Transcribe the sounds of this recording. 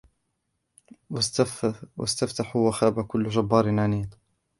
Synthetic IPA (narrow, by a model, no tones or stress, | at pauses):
w | wa̰st̪aft̪aħuwaxaːbakʊlːʒabːɑːɾˤɪnʕaniːt̪